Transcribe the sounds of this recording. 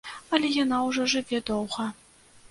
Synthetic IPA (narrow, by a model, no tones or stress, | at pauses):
ɐlʲɛjanawʐɔʐɨvʲɛd̪ɔwɣɐ